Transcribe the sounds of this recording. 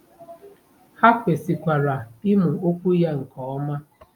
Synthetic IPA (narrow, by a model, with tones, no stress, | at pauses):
ha˦k͡pe˨si˨kʷa˨ɾa˨ɪ˦mʊ˨o˦kʷu˦ja˦ŋ̩˨kɔː˨˦ɔ˦ma˦